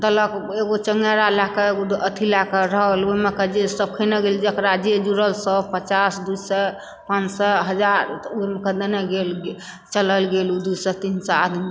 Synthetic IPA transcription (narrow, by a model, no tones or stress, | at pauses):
t̪ələkeɡot͡ʃəŋɡjaɾalakəeɡoət̪ʰilakəɾəɦəloɦmekəd͡ʒesəb̚kʰəneɡeld͡ʒekɾad͡ʒed͡ʒuɾəlsəpət͡ʃasd̪usɛ | pãt͡ʃsɛɦəd͡ʒaɾoɦmekəd̪əneɡel | t͡ʃələlɡelud̪usɛt̪insəad̪mi